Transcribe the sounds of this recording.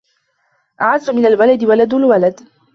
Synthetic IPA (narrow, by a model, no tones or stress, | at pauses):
ʔaʕazːʊmɪnalwalad̪ɪwalad̪ʊlwalad̪